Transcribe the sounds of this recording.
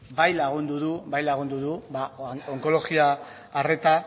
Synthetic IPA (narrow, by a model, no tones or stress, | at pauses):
bajlaɣ̞und̪uðubajlaɣund̪uðubaoŋko̞lo̞ɣiaː | re̞t̪a